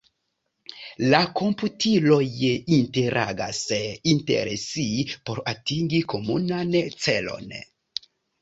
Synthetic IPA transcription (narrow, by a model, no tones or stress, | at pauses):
lako̞mputilo̞jinte̞ɾʔa̰ɡa̰sintḛɾesipo̞ɾatiŋɡiko̞munant͡se̞lo̞̰n